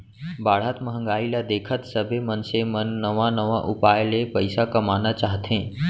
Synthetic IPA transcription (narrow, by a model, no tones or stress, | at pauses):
baːɽ̤aːt̪məɦə̃ŋɡaːilad̪eːkʰət̪səbʱemənsemənːəʋãnəʋãʔʊpaːjlepəɪsakɐmaːnat͡ʃaːɦt̪ẽː